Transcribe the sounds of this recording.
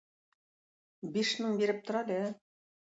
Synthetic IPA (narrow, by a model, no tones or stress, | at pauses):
biʃmɘɴbiɾɘp̚t̪ŏɾɑlʲe